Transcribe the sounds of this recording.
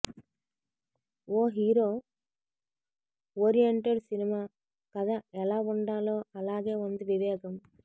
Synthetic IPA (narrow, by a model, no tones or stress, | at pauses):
oːɦiːɾoː | oːɾijeɳʈeɖsinimaː | kɐd̪aɛlaːuɳɖaːloːɐlaːɡe̞ːund̪iʋiʋɛːɡɐm